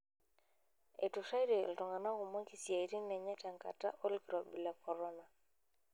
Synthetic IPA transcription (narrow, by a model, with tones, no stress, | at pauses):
ḛ˨tu˨ʃa˦i˦dḛ˨ltɔ˨ŋa˨na˦ɡu˨mɔ˦ki˨sja˨i˨ɾi˦nɛ˨ɲa˦ta˨ŋka̰˨ta̰˦ʔo˦lkɾɔ˨bi˨la˨kʰɔ˨ɾɔ˦na˨